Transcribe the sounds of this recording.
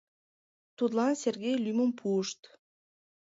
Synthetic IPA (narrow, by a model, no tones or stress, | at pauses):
t̪ut̪lˠɑnserɣejlʲyməmpʰuəʃt̪